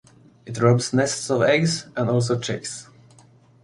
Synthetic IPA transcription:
ɪtɹɔbsnɛstsɔvɛɡzɛ̃nɔlˠs̬oʊt͡ʃʰeks

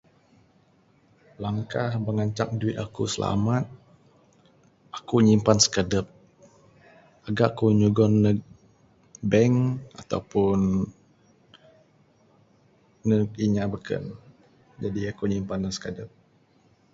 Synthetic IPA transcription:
laŋkahbəŋaɲt͡ʃak̚duwɪt̪̚akusəla̰mat̪̚ | akuɲimpansə̥kadəp̚ | aɡaʔkuɲuɡɔnːə | bɛŋat̪a̰upʊn | əkiɲabəkʰə̰n | d͡ʒadiakuɲimpanlasə̥kədəp̚

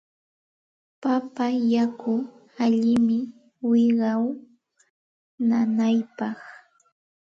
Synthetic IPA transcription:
papajakʊ | aʎɪmɪ | wɪɢɑw | nanajpɑχ

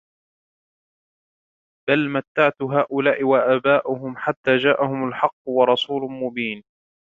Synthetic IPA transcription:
b̥almat̪ːaʕt̪ʊɦaːʔʊlaːʔɪwaʔaːbaːʔʊɦʊmħat̪ːaːd͡ʒaːʔahʊmalħɑqːwɑɾˤɑsuːlmʊbiːn

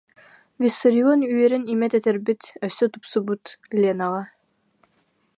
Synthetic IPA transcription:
vʲisɔɾʲiɔnyjɛɾɛnimɛt̪ɛt̪ɛɾbit̪œsœt̪upsubut̪lʲenaʁɑ

